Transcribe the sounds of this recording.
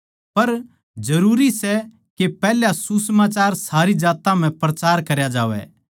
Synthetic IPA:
pɐɾ | d͡ʒɐɾuːɾisɛ | kepɛːljasusmaːt͡ʃaːɾsaːɾid͡ʒaːt̪ãm̤ɛ̃pɾɐt͡ʃaːɾkɐɾjad͡ʒaːʋɛ̰ː

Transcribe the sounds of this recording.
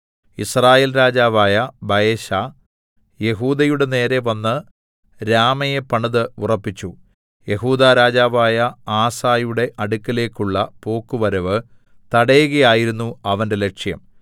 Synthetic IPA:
ḭsraːjeːlɾaːd͡ʑaːʋaːjɐbɐjeːɕa | je̞ɦuːd̪ɐjuɽe̞ne̞ːɾe̞ʋɐnːɨ | ɾaːmɐjepɐɳɐðɨurɐpːit͡ɕːu | je̞ɦuːd̪aːɾaːd͡ʑaːʋaːjɐaːsaːjuɽe̞ʔɐɽukːɐle̞ːkːuɭːɐpo̞ːkːuʋɐɾɐʋɨ | t̪ɐɽejuɣɐjaːjiɾunːuɐʋɐnde̞le̞kʂjɐ̰m

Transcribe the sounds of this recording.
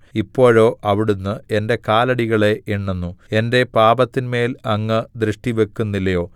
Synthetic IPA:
ipːo̞ːɻo̞ːʔʔɐʋiɽunːɨe̞nde̞kaːlɐɽiɣɐɭe̞ʔeɳːenːue̞nde̞paːbɐt̪ːinme̞ːlɐŋːɨd̪ɾɨʂʈiʋe̞kːunːilːɐjo̞ː

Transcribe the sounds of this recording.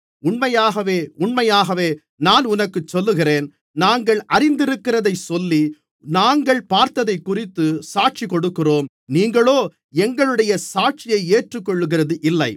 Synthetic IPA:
ʊɳmɐjaːɣɐʋeːʊɳmɐjaːɣɐʋeː | naːnʊnɐkːɯt͡ʃːɔlːɯɣɪreːn | naːŋɡɐɭɐɾɪnd̪ɪɾɯkːɪrɐðɐɪsɔlːi | naːŋɡɐɭpaːɾt̪ɐðɐɪkːʊrɪt̪ːɯsaːʈ̚t͡ʃikːɔɽɯkːɪroːm | niːŋɡɐɭoː | ɛŋɡɐɭɯɽɐjɐsaːʈ̚t͡ʃɪjɐɪeːʈrɯkːɔɭːɯɣɪrɐðɯʔɪlːɐɪ

